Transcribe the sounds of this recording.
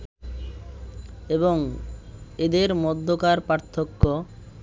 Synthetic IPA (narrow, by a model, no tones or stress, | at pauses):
eboŋ | ed̪eɾmɔd̪ʱːokaɾpaɾt̪ʰːokːo